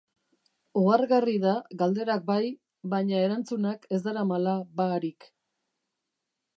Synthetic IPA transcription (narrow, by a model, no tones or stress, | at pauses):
oaɾɣarið̞aɣald̪e̞ɾak̚baj | βaɲae̞ɾant͡sunake̞z̬d̪aɾamalaβaːɾik